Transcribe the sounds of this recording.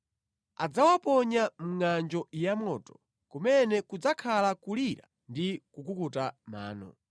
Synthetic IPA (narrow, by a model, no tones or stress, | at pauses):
ad͡zawapɔɲamuŋand͡ʒɔʔijamɔtɔ̥ | kumɛnɛkud͡zakʰalakuliɾa̰ | ndikukukutama̰ːnɔ̰